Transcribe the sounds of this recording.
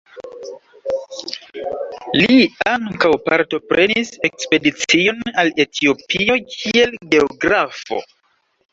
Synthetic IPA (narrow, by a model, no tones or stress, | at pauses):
liaŋkawpaɾto̞pɾʔe̞nise̞kspe̞dit͡sio̞nale̞tʰio̞pio̞kʰie̞lɡe̞oɡɾafo̞̰